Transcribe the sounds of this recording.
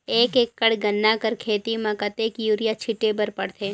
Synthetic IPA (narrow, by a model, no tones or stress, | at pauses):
eːkekːəɽɡənːakəɾkʰeːt̪imãkət̪eːkjuːɾijat͡ʃʰɪʈːebəɾpəɽt̪ʰe